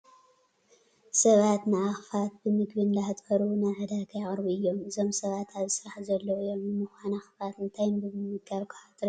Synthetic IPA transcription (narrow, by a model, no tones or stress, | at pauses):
sɐβat̪nɨʔaxfat̪̚bɨmɨɡbɨnd̪aħɨt̪ʼɐɾunaʕɨd̪akʰɐjaχʼɾbuɨjːo̞mʔɨzo̞msɐβat̪aβzɨsɨɾaħzɐlːowɨjo̞mnɨmɨxʷanaxfat̪ɨnt̪ʰajmbɨmɨmːɨɡaβkʰḁħat̪ʼɾ